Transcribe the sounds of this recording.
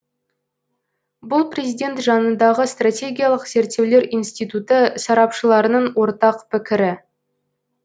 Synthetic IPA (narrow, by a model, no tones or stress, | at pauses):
bʊlˠpre̞zʲijd̪ʲe̞nt̪ʒɑnənd̪ɑʁəst̪ratʲe̞ɡʲijalˠəqse̞ɾt̪ːe̞wle̞ɾijnst̪ijt̪ut̪əsɑɾɑpʃəlˠɑɾənəɴwo̞ɾt̪ɑqpɪkʲɪɾɪ